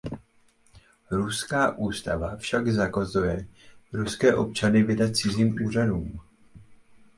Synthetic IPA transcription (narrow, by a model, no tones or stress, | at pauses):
ɾuskaːʔuːst̪avafʃaɡzakazujɛɾuskɛːʔo̞̰p̚t͡ʃanɪvɪdat̪̚t͡sɪziːmuːr̝aduːm